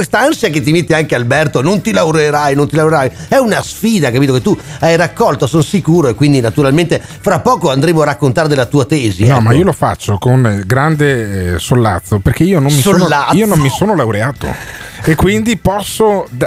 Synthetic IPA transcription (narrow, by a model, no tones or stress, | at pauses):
kwest̪aansjaket̪̬ːimet̪ːiaŋkealbɛrt̪onont̪ilawɾeɾajnont̪ilawɾeɾajɛunasfiːd̪akapiːt̪̬oket̪ːuajrakːɔlt̪osonsikuːɾoekːwind̪inat̪uɾalment̪e | fɾapːɔːkoand̪ɾeːmoarakːont̪aːɾed̪elːat̪uːat̪ɛːzinɔmaiːolofa̰t͡ʃːokonɡɾand̪esolːa̰t̪sːoperk̟eiːonomːisolnːaiːonommːisoːnolawɾeaːt̪o̰ | ekːwind̪ipɔsːo